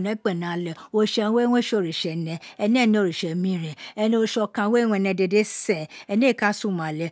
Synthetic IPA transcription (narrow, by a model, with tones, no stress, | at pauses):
nɛ˨˦k͡pɛ˦˨nã˨lɛ˨o˧˦ʃɛ˧˦we˦wõ˦ʃo˨ɾi˨ʃɛ˨nɛ̃˧ɛ˧nĩ˦ɛ˦˨nĩ˧o˧˨ɾi˨ʃɛ˨mĩ˦ɾ̃ɛ̃˨ɛ˧nĩ˧o˧˨ʃɔ˧kã˧we˦wũ˧ɛ˧nɛ̃˧˨de˧˨de˦sɛ̃˦˨ɛ˧nĩ˦e˦˨ka˦su˦˨mã˨lɛ˧